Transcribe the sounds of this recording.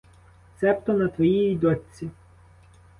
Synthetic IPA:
t̪sɛpt̪ɔnɐt̪ʋɔjiid̪ɔtʲt͡sʲi

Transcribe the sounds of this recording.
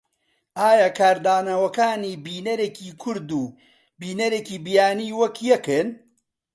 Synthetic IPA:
ʔaːjakʰaːɾd̪aːnɐwɐkaːniːbiːnɐɾeːkiːkʰʊɾd̪uː | biːnɐɾeːkiːbijaːniːwɐkjɛkɨn

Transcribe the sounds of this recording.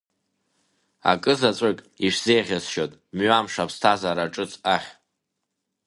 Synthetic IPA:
a̰kʼɨzat͡sʷʼakʼ | iʂz̥e̞jʁʲazʃotʼmɥamʂapʰstʰazaɾaʈ͡ʂʼɨt͡sʰʼaχʲ

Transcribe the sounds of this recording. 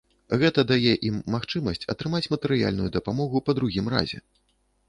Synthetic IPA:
ɣɛt̪ɐd̪ajɛʔimːaxt͡ʂɨmɐsʲt͡sʲɐ̰t̪ɾɨmat͡sʲmɐt̪ɛɾɨja̰lʲnujud̪ɐpamɔɣupɐd̪ɾuɣʲimɾa̰zʲɛ̰

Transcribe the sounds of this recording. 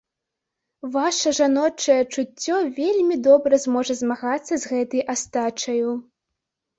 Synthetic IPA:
vaʂɐʐanɔt͡ʂɐjɛt͡ʂut͡sʲːɔvʲelʲmʲid̪ɔbɾɐzmɔʐɐzmaɣat̪sːɐzɣɛt̪ɨjʔast̪at͡ʂɐju

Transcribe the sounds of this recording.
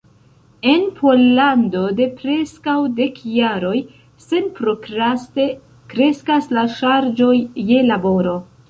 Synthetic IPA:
e̞npʰo̞lːando̞de̞pɾe̞skawde̞kjaɾo̞j | se̞npɾo̞kɾaste̞ | kɾe̞skaslaʃaɾd͡ʒo̞jːe̞labo̞ɾo̞

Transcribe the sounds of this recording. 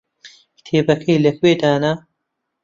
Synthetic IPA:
kt̪ʰeːbɐkʰɐjlɐkweːd̪aːnɐ

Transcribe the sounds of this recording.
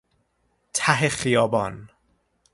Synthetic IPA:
t̪ʰæɦexijɒːbɒːn

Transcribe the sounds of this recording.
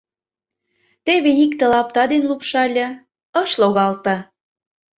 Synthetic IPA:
t̪eβeikt̪ĕlɑp̚t̪ɑd̪enlupʃɑlʲɤ̆ | əʃloɣɑlt̪ɑ

